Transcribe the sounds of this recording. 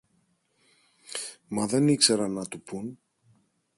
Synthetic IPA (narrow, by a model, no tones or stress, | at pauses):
mɐðenikseɾɐnːɐt̪upun